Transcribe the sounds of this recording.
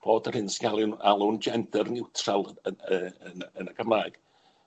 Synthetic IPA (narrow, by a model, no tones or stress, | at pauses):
b̥oːdərhɪnsɡalˠɪnalˠʊnd͡ʒɛndərnɪwtʰralˠəəənənəkʰəmlaːjɡ̥